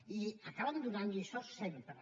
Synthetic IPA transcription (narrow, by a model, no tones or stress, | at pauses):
iakaβand̪unanisɔsːɛmpɾə